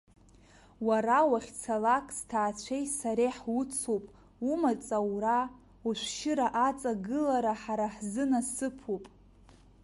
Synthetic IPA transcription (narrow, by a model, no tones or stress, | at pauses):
waɾawaχʲt͡sʰalakʼstʰaːt͡ɕʷʰejsaɾejħwʊt͡sʰopʼ | umat͡sʼawra | uʃʷʃɪɾaʔat͡sʼaɡɨlaɾaħaɾaħzɨnasɨpʰupʼ